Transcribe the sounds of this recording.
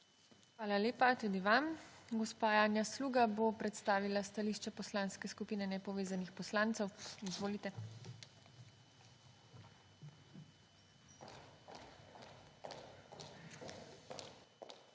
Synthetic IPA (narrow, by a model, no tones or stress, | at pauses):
xʋaːlaleːpat̪ud̪iʋamɡɔspaːjaːnjasluːɡabopɾɛt̪st̪aːʋilast̪aliːʃt͡ʃɛpɔslaːnskɛskupiːnɛnɛpɔʋeːzanixpɔslaːnt̪sɛwizʋoːlit̪ɛ